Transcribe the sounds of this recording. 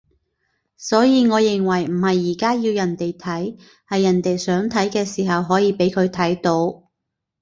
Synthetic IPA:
sɔː˨˥jiː˨˧ŋɔː˨˧jɪ˨˩ŋwɐ˨˩jm̩˨˩hɐ˨jːiː˨˩kaː˥jiː˧wjɐ˨˩nt̪e˨jt̪ʰɐ˨˥j | hɐ˨jːɐ˨˩nt̪e˨jsœː˨˥ŋt̪ʰɐ˨˥jkɛː˧siː˨˩ɦɐ˨wɦɔː˨˥jiː˧pe˨˥jkʰɵ˨˧ɥt̪ʰɐ˨˥jt̪o˨˥w

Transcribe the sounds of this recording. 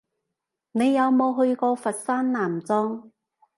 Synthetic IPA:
ne˨˧jːɐ˨˧wmo˨˧wɦɵ˧ɥkɔː˧fɐ˨t̚saː˥nnaː˨˩mt͡sɔː˥ŋ

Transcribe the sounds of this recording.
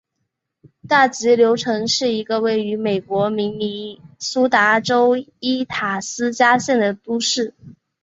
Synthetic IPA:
t̪a˥˩t͡ɕi˧˥ljo˧˥ʊʈ͡ʂʰɤ˧˥ŋʂɻ̩˥˩i˧˥ɡə˧we˥˩ɪy˧˥me˨˩ɪkwɔ˧˥mi˧˥ŋni˧˥su˥t̪a˧˥ʈ͡ʂo˥ʊi˥t̪ʰa˨˩sɹ̩˥t͡ɕja˥ɕjɛ˥˩nd̪ə˩t̪u˥ʂɻ̩˥˩

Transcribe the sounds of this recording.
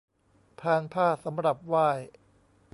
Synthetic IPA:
p̪ʰaː˧npʰaː˥˩sa˩˦mɾa˨˩p̚waː˥˩j

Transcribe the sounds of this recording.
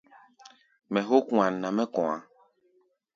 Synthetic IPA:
mɛ̃˨xo˦kũ˦ã˨nã˨mɛ̃˦kɔ̃˨a˨

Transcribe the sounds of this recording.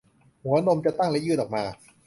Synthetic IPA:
hu˩˦no˧mt͡ɕa˨˩t̪a˥˩ŋlɛ˦˥jɯː˦˥˩nɔː˨˩p̚maː˧

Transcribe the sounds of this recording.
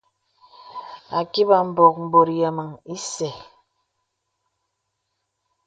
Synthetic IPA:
a˨ki˦ba˨m̩˨bɔ˨k̚m̩˨bo˨ɾja˨mə˨ŋi˦sɛ˨

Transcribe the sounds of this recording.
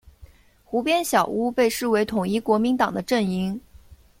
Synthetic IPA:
xu˧˥pjɛ˥nɕjɑ˨˩ʊu˥pe˥˧ɪʂɻ̩˥˩we˧˥ɪt̪ʰʊ˨˩ŋi˥˩kwɔ˧˥mi˧˥nt̪ɑ˨˩ŋd̪ə˦ʈ͡ʂə˥˩ni˧˥ŋ

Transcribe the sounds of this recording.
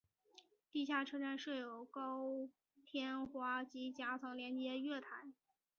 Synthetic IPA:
t̪i˥˧ɕ̬ja˥˩ʈ͡ʂʰɤ˥ʈ͡ʂa˥˧nʂɤ˥˩jo˨˩ʊkɑ˥ʊ | t̪ʰjɛ˥nxwa˥t͡ɕi˧˥t͡ɕja˧˥t͡sʰɤ˧˥ŋljɛ˧˥nt͡ɕjɛ˧˥ɥɛ˥˩t̪ʰa˧˥ɪ

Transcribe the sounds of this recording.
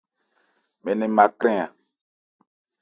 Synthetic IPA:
mɛ̃˨nɛ̃˨mã˨kɾɛ̃˦a˨

